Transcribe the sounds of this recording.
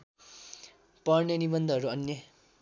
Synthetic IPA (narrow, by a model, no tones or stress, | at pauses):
pʌrnʌnibʌnd̪ʱʌɦʌɾuʌnjʌ